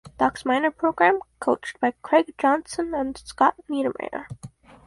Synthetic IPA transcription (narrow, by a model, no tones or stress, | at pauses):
d̥ɑksmãɪ̃nə˞pʰɹ̥oʊɡɹæ̃mkʰoʊt͡ʃtb̥aɪkʰɹ̥eɪɡ̥̚d͡ʒɑ̃nsə̃nə̃nskɑt̚niɾəmḛɪnə̰˞